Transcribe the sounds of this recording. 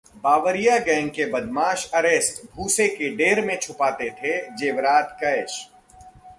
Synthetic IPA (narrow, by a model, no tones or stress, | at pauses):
baːʋəɾijaɡɛ̃ːŋɡ̚kebɐd̪maːʃɐɾeːsʈbʱuːsekeɖeːɾmẽt͡ʃʰʊpaːt̪et̪ʰed͡ʒeːʋɾaːt̪kɐɪʃ